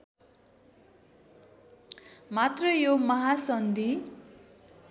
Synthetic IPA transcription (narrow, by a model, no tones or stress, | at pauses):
mat̪rʌjomʌɦasʌnd̪i